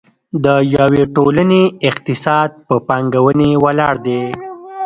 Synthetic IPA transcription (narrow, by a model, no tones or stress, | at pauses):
d̪əjaweʈolaneɪqt̪ɪsɑd̪̚pəpɑŋɡawənewalɑɽd̪e